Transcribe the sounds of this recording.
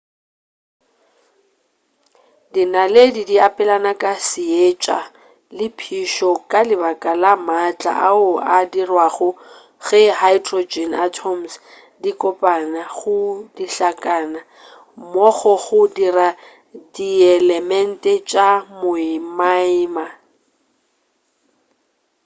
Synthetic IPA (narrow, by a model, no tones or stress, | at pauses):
dinaledidiapʼɛlanakʼasɪet͡ʃʼa̰ | lɪpʰiʃɔkʼalɪbakʼalamat͡ɬʼa̰ʔaʊadirwaɣʊ | ɣɪhajdrod͡ʒɛnatʰɔms | dikʼɔpʼanaɣʊdiɬakʼaːna | mɔɣɔɣʊdira | diɛlɛmɛn̩tʼɛt͡ʃʼamʊɪmaɪːma